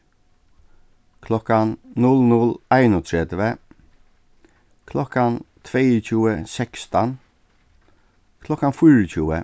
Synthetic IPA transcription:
kʰlɔkannʊlnʊlæɪnʊt̪ʰɹɛd̪ʋə | kʰlɔkant̪ʰveːət͡ʃʰuːəsɛkst̪an | kʰlɔkanfʊɹət͡ʃuːə̰

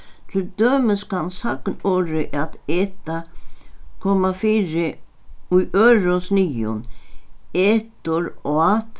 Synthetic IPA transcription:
t̪ʰɪld̪øːmɪskansaknɔːɾɪʔat̪eːt̪a | kʰɔːmafiːɾɪ | ujʔœːɾʊnsnijʊ̰n | eːt̪ʊɾɔat̪

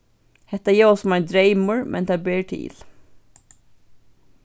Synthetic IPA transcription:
hɛt̪əjeɔsɔmɑɪd̪ɾeɪməɹmʔɛ̰nt̪ʰɑːbeːʈʰḭːl

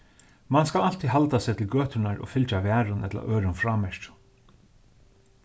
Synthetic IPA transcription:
manskalal̥t̪ʰiðɦalt̪asɛt̪ʰɪlɡøːt̪ɪnaɾʔɔ̰fɪlt͡ʃavæːɾʊnʔɛ̰t̪la̰ʔœːɾʊnfɾaːmɛʃt̪

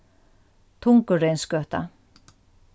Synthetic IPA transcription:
t̪ʰʊŋkəɾejnskœht̪a̰

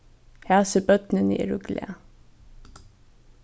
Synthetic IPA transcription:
hæːsəbœt̪nən̰ʔḭɾʉɡlḛ

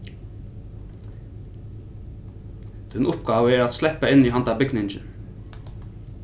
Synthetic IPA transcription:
d̪̥ɛnʊpɡɑːʋəeːɹɑt̪slɛpəɪniːhɑnt̪ɑːbɪɡnɪnd͡ʒə̰n

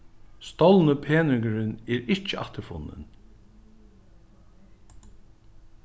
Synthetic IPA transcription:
st̪ɔwlnəpʰeːnɪŋɡəɾɪnɛɾɪht͡ʃəa̰ht̪əɾfʊ̰nːɪ̰n

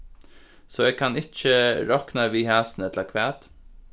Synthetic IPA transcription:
soːeːɡ̚kʰɑnɪc͡çəɾɔknɑʋiːhæːsn̩ɛt̪ləɾkʰʋæːt̪

